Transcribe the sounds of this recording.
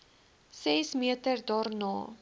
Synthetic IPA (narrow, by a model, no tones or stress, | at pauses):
sɛsmiətərdɑːrnɑː